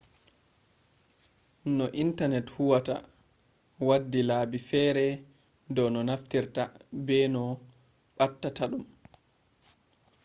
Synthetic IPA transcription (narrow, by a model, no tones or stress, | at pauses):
nɔʔintanɛthuwata̰ | wadːilaːbifɛːɾɛ | dɔwnɔnaftiɾtabɛnɔ | ɓatːataɗum